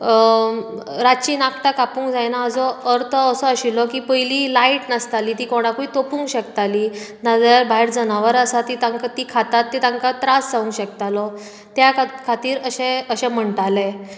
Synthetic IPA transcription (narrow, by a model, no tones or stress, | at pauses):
ɾat͡ɕiːnakʰʈ̪akapũːŋkd͡zajnaːd͡zɔəɾt̪ʰəːsɔəɕilɔkiːpəjliːlaiʈnəst̪aliːt̪iːkɔɽ̃akuit̪opuːŋkɕəkt̪aliːnad͡zaɾbʱaɦiɾd͡zənaʋəɾəsat̪it̪ãŋkat̪ikʰat̪at̪ːit̪ãŋkat̪ɾasd͡zaʋũŋkɕəkt̪alɔ | t̪jakkʰat̪iːɾəɕẽəɕɛ̃m̤əɳʈale